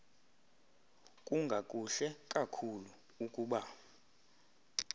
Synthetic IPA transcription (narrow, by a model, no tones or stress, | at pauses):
kʼuŋɡʱakʼuɬɛkʼakʰulu | ukʼuːɓa